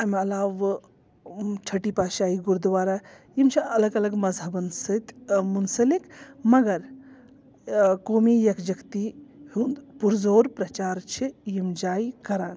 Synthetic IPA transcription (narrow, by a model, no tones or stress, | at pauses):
ɐmɐlaːʋ | t͡ʃʰɐʈipaːʃaːiɡuɾd̪ʋaːɾa | jimt͡ʃʰiɐlɐɡɐlɐɡmɐzɐbɐnst̪munsɐlikmɐɡɐɾ | koːmiːjɐkd͡ʒɐkt̪ihund̪puɾzoːɾpɾɐt͡ʃaːɾt͡ʃʰijimd͡ʒaːikɐɾaːn